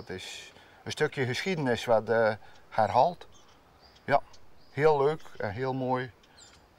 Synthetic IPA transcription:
tɪs | ənstøkjəɣəsxidənɪsʋatharɦɔlˠt | jahiəlˠːøːkɛ̰nɦiəlˠmoːj

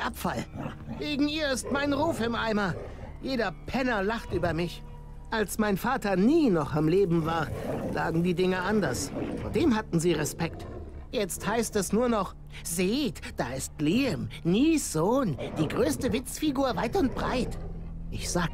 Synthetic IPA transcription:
ʔapfalɡ̥eːɡŋ̩iːɐɪst̚maɪnʁuːfɪmʔaɪmɐ | jeːdɐpʰɛnɐlaχtʔyːbɐmɪç | ʔalsmaɪnfaːtɐniːnɔχamleːbm̩vaːɐlʔaːɡŋ̩diːdɪŋəʔandɐsfoːɐdeːmhatn̩ziːʁɛspɛk̚t | jɛt͡sthaɪstɛsnuːɐnɔχ | zeːtd̥aːɪstliːɛmniːsz̥oːnd̥iːɡʁøːstəvɪt͡sfiɡuːɐvaɪtʊnt̚b̥ʁa̰ɪtʔɪçz̥aː

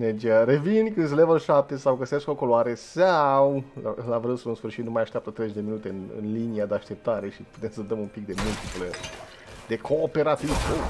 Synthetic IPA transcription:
ned͡ʒaɾevinʲkɨns̬elevəʃap̚t̪esawɡəseskokoloaɾesawa̰lavɾɨsunsfɨrʃit̪numajaʃt̪ʲapt̪ət̪ɾezeʒd̪e̞minut̪e̞ɨnɨ̰nliniad̪eaʃt̪e̞p̚t̪aɾe̞ʃipu̥t̪emsəd̪əmumpik̚d̪e̞mult̪iplə | d̪e̞kʰoːpeɾat̪ivo

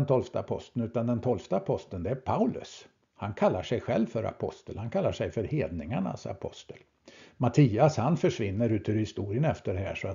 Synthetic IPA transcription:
nt̪ʰɔlft̪əapʰɔ̰st̪ənʉ̟ːt̪and̪ɛnt̪ʰɔlft̪aːpʰɔst̪ənd̪ɛæɾpʰaʉlɵ̰s | hankʰalːaʂɛjɧɛlvfœɾa̰pʰɔ̰st̪əlhankʰalːaʂɛjfœɾheːd̪nɪŋaɳa̰sa̰pʰɔ̰st̪əl | mat̪ʰiːashanfœʂvɪnːəɾʉ̟ːt̪ʉːɾhɪst̪uːɾɪənɛft̪əɖɛɦæ̰ːʂɔat̪

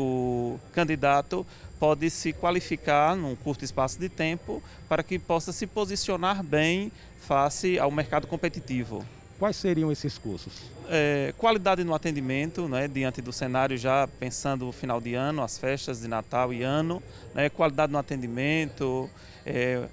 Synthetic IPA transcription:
ʊkɐ̃nd̪id̪at̪ʊ | pɔd̪ɪsɪkwalifikaɾnũkuɾt̪ʊɪspasʊd̪ɪt̪ẽpʊ | paɾɐkɪpɔsɐsɪpozisionaɾbẽj̃ | fasɪa̰wmeɾkad̪ʊkõpet̪it̪ivʊ̰ | kwajsːeɾiɐ̃w̃esɪskṵɾsʊs | ɛkwalid̪ad̪ɪnʊat̪ẽnd̪imẽnt̪ʊnɛd̪iɐ̃nt̪ɪd̪ʊsenaɾjʊʒapẽsɐ̃nd̪ʊfinawd̪ɪɐ̃nʊasfɛʃt̪ɐzd̪ɪna̰t̪awɪɐ̃nʊ | nʔɛkwalid̪ad̪ɪnʊat̪ẽnd̪imẽnt̪ʊ | ɛ

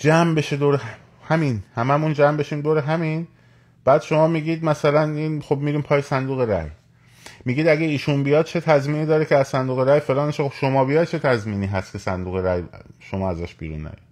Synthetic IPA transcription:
d͡ʒæmbe̞ʃed̪oːɾe | hæminhæmæmund͡ʒæːmbe̞ʃiːmd̪oːɾeɦæmiːn | b̥æːd̪̥ʃo̞mɒːmiːɟiːd̪̚mæsælæniːnxob̚miːɾiːmpʰɒːjesænd̪uːɣeɾæ̰j | miːɡiːd̪æɡeiːʃunbijɒːd̪̚t͡ʃʰe̞t̪ʰæzmiːniːd̪ɒːɾecʰeæzsænd̪uːɣeɾæːjfe̞lɒːneʃexobʃomɒːbijɒjd̪̚t͡ʃʰe̞t̪ʰæzmiːniːɦæst̪kʰe̞sæ̰nd̪uːɣeɾæjʃomɒːæzæʃb̥ḭːɾṵnːæ̰jɒ̰d̪̥

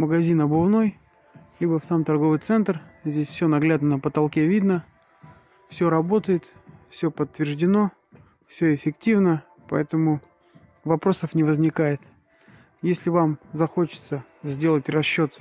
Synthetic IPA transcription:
məɡɐzʲinɐbʊvno̞j | lʲibəfsamt̪ɐrɡovɨjt̪sɛnt̪rzʲdʲesʲfsʲonɐɡlʲad̪nənəpət̪ɐlˠkʲevʲid̪nə | fsʲoɾɐbo̞t̪əjɪt̪fsʲɵpət̪ːvʲɪrʐdʲɪno̞ | fsʲɵɪfʲɪktʲivnə | pɐ̰ɛt̪əmʊ | vɐpɾo̞səfnʲɪvəzʲnʲɪkajɪt̪ | jesʲlʲɪvamzɐxot͡ɕɪ̥t̪sə | zʲdʲe̞lˠətʲrɐɕːot̪

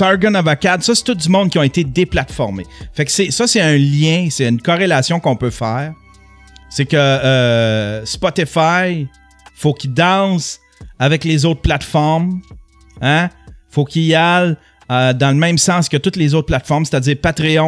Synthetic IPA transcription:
sɑɹɡɔnɔvakad̪sʌse̥t̪ʊt̪̚dzymɔ̃d̪kjɔ̃et̪ed̪eplat̪fɔʁmefɛksesʌseœ̃ljɛ̃seynkɔʁelasjɔ̃kɔ̃pøfɛːʁ | sekəː | spɔt̪efaj | fokʲid̪ɑ̃s | avɛklezoʊt̪̚plat̪fɔʁm | ãfokʲijal | əd̪ɑ̃ləmɛ̃msɑ̃ːskət̪ʊt̪lezoːt̪̚plat̪fɔʁmse̥t̪ad͡ziːʁpat̪ʁeɔ̃

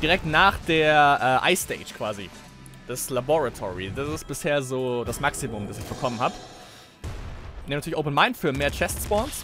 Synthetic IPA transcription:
d̥iːʁɛk̚tnaːχd̥eːɐʔɛːʔa̰ɪsteɪʃkv̥aːzḭ | d̥ɛslabɔʁatʰɔ̰ʁḭdasɪstb̥ɪsheːɐzoːd̥asmaksimʊmdasɪçfɔɐkʰɔmənhaːb | neːntyːlçoʊpənmaɪntfyːɐmeːɐt͡ʃɛstsb̥ɔns

